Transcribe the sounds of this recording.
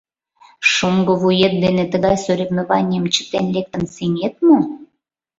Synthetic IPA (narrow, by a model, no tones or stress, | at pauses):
ʃomɡoβujet̪̚d̪enet̪əɣɑjsoɾʲevnoβɑnʲɪəmt͡ɕə̥t̪enlek̚t̪ənsenʲet̪̚mo